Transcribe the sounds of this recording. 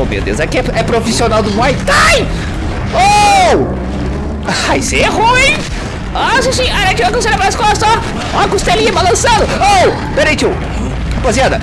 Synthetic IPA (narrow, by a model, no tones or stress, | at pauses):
omḛwd̪ḛwzɛkɪɛɛpɾofisionawd̪ʊmwajt̪aj | o | aaiseɛhũĩ | ɔsisĩaɾɐ̃t͡ʃ̪iwɐkõseɾɐbɾaskɔ̃ɐst̪ɔ | ɔkost̪elĩɐbalɐ̃sɐ̃d̪ʊo | peɾejt͡ʃ̪iw | apoziad̪ɐ